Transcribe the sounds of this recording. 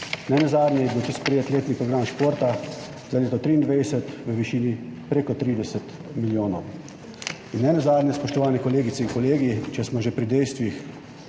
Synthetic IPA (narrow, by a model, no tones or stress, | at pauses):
nɛnɛzaːd̪nʲɛjɛbiwt̪ispɾɛjeːt̪leːt̪nipɾɔɡɾaːmʃpoːɾt̪a | zaleːt̪ɔt̪ɾiːnd̪ʋɛjsɛt̪ʋəʋiʃiːnipɾeːkɔt̪ɾiːd̪ɛsɛt̪ | miljoːnɔw | inːɛnɛzaːd̪nʲɛspɔʃt̪ɔʋaːnɛkɔleːɡit̪sɛiŋkɔleːɡit͡ʃɛsmɔʒɛpɾid̪ɛjst̪ʋix